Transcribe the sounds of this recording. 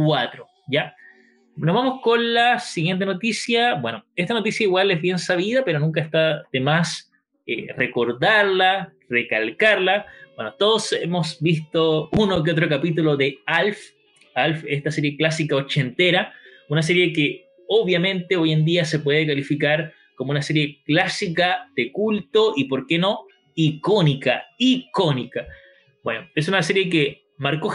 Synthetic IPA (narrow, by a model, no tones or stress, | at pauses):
kwat̪ɾo | ja | nozβamoskonlasiɣjent̪̬enot̪isjabweno̞est̪ano̞t̪̬isjaiɣwalezβje̞nsaβið̞ape̞ɾonũŋk̬aest̪aðemas | ḛreko̞ɾðaɾla | rekalkaɾlab̥wenot̪oðosḛmosbist̪ounok̬eot̪̬ɾokapit̪uloðealf | alfest̪aseɾje̞klas̬ikaot͡ʃe̞nt̪eɾa | unas̬e̞ɾje̞ke | oβjamẽ̞nt̪eoje̞nd̪iase̞pwe̞ðekalifikaɾ | komounaseɾje̞klasikaðekult̪oʔipo̞ɾkeno̞ | ikonika̰ikonika | b̥we̞noes̬unase̞ɾje̞ke | maɾko